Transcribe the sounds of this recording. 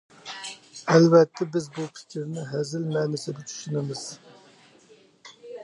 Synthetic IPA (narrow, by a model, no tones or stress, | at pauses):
ælvɛt̪ʰːɛbɪzbupʰɪ̥kʲʰiɾnɪɦæzɪlmɛnɪsɪɡʲɪt͡ʃʰy̥ʃunɨmɨz̥